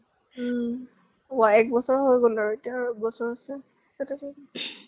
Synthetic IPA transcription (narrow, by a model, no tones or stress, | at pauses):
ʊaɛk̚bɔsɔɹɦojɡolaɹuetijaɹbɔsɔɹasɛ | kɛtɛsɔ